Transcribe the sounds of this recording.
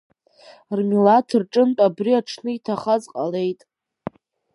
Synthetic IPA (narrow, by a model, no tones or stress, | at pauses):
rmilatʰɨrʈ͡ʂʼɨntʼabriaʈ͡ʂʰnɨitʰaχazqʼale̞jtʼ